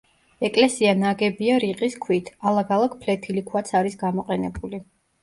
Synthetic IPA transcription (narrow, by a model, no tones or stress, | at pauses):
ɛkʼlɛsianaɡɛbiaɾiqʼiskʰwit̪ʰalˠaɡalˠakʰpʰlɛt̪ʰilikʰwat̪sʰaɾisɡamɔqʼɛnɛbuli